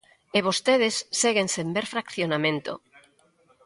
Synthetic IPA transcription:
eβ̞ost̪eð̞esːeɣensembeɾfɾakθjonamẽnt̪o̰

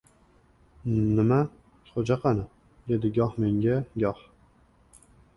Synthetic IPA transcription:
nɪma | χod͡ʒaqʰɑnɪ | d̪e̞d̪ɪɡʲɒhme̞ŋɡʲaɡʲɒh

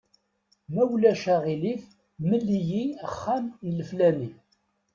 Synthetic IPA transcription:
mæwlæʃæʁiliθ | məlːijiæχːæmjələflæni

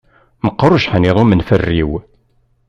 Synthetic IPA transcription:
məqːɾˤuʃħəniðˤumənfərːiw

